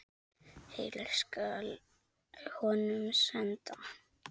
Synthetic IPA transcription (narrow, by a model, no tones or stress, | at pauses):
helɪɾskal | hɔnʏmsɛnt̪a